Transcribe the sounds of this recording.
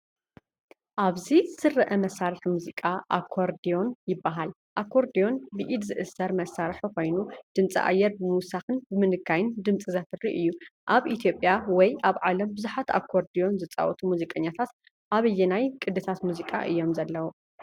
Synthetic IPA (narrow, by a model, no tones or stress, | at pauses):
ʔaβzisɨrːɐʔɐmɐsːaɾɨħmuzikʼaʔa̰kʰːoɾd̪ijo̞njɪbːaɦal | ʔakʰːo̞ɾd̪ijo̞nbɨʔid̪zɨʔɨsːɐɾmɐsːaɾħikʰo̞jnud̪̥ɨnt͡sʼḭʔa̰jːɛɾbɨmusaxɨnbɨmɨnɨkʰːajɪnd̪ɨmt͡sʼizɐt̪ʰɨrːiʔɨjːuʔaβʔit̪ʰjo̞pʼjawɔjʔaβʕalɐmbɨzuħat̪ʰa̰kʰːoɾd̪ijo̞nzɨt͡sʼa̰wɔt̪ʰumuzikʼɐɲːat̪ʰat̪ | ʔaβɨjːɛnajkʼɨd̪ɨt̪ʰat̪muzikʼa̰ʔɨjːo̞mzɐlːɐwu